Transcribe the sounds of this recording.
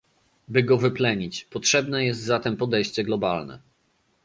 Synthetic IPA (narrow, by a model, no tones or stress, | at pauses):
bɘɡɔvɘplɛɲit͡ɕpɔtʂɛbnɛjɛst̪zat̪ɛmpɔd̪ɛjɕt͡ɕɛɡlɔbalnɛ̰